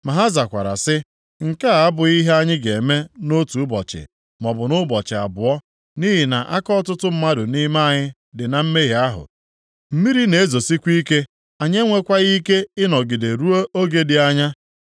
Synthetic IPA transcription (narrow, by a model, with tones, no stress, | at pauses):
ma˨ɦa˦za˨kʷa̰˨ɾa̰˨sɪ˦ | ŋ̩˨ka˦˨a˦bʊ˨i˦ɦe˦a˦ɲɪ˦ɡe˨me˦no˦tu˨ʊ˦bɔ˨t͡ʃɪ̰˨ | mɔ˨bʊ˨nʊ˦bɔ˨t͡ʃɪ˨a˨bʊ˨ɔ˦ | ni˦ɦi˨na˨ʔa˦kɔ˦tʊ˦tʊ˦m̩˦ma˦dʊ˨ni˦ma˦a˨ɲɪ˦ | dɪ˨na˨m̩˦me˦ɦi˨a˦ɦʊ̰˨ | m̩˦mi˦ɾi˦ne˨e˦zo˨si˦kʷi˦ke˦ | a˨ɲe˦ŋʷe˦kʷa˦ɣi˦ke˦ɪ˦nɔ˨ɡɪ˨de˨ɾu˦o˦ʔo˦ɡe˦dɪ˨a˦ɲa˦